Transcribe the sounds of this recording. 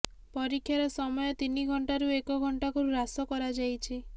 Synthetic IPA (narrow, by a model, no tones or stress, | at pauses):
pɔɾikʰːjaɾɔsɔmɔjɔt̪iniɡʱɔɳʈaɾuekɔɡʱɔɳʈakɔɾuɾasɔkɔɾad͡ʒajt͡ʃʰi